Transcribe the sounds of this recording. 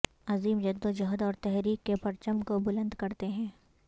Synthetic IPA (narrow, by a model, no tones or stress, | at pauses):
ɐziːmd͡ʒɐd̪ːõd͡ʒɐɦd̪ɔːɾt̪ɛɦɾiːkːepɐɾt͡ʃəmkobʊlə̃nd̪kɐɾt̪eɦɛ̃ː